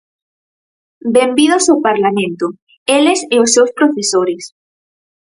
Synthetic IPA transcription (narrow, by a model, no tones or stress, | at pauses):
bembiðosapaɾlamẽnt̪o | eleseosːewspɾofesoɾes